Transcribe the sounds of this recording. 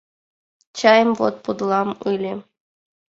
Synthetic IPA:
t͡ɕɑjɤ̆mvo̰t̪̚pud̪lˠɑmɯlʲɘ̆

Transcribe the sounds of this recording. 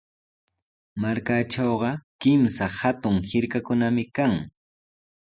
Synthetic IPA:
maɾkaʈ͡ʂawɢɑkɪmsahat̪ʊŋhɪɾkakʊnamɪkaŋ

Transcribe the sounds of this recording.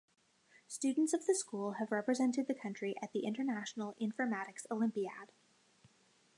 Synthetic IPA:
stʉdⁿn̩tsʌvðɨskulˠɨvɹɛpɹɨzɛ̃ntɨd̪̚ðɨkʰʌ̃nt͡ʃɹ̥iʔɨt̪̚ðiʔɪ̃ntə˞næʃn̩l̩ˠɪ̃ɱfə˞mæɾɨksoʊlɪ̃mpiæd̥

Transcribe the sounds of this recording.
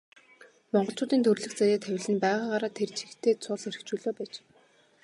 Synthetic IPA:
mɔɴɢɞ̆ɬt͡ɕʰʊːt̪iːnt̪ʰɵrɮɘ̆xt͡sajaːt̪ʰæwʲɪ̆ɮɘ̆npæːʁaːɢaɾaːt̪ʰert͡ɕʰi̥xt̪ʰeːt͡sʰʊɮeɾɘ̆kt͡ɕuːɮoːpæːt͡ɕ

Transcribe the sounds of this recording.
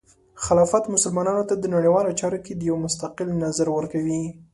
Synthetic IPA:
xalɑfat̪mʊsʊlmɑnɑnot̪ad̪ənaɽiwɑlot͡ʃɑɾoked̪əjawmʊst̪aqɪlnazaɾwəɾkawi

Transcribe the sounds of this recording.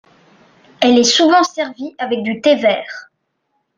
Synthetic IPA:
ɛlɛsuvɑ̃sɛʁviavɛk̚d̪yt̪evɛːʁ

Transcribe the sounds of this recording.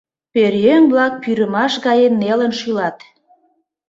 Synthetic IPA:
peɾjøŋblɑk̚pyɾəmɑʃɣɑjenːelənʃylɑt̪

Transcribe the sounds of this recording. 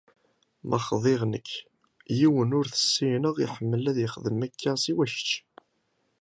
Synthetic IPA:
mʔəχðˤeʁnə̰kː | jiwənʊɾθə̥sːijnəʁiħəmːəlæðjəχðəmækːæsiwæʃə̥t͡ʃː

